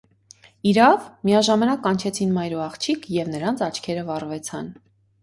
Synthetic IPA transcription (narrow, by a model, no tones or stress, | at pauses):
iɾɑvmiɑʒɑmɑnɑkɑnt͡ʃʰɛt͡sʰinmɑjɾuɑχt͡ʃʰikʰjɛvnəɾɑnt͡sʰɑt͡ʃʰkʰɛɾəvɑrvɛt͡sʰɑn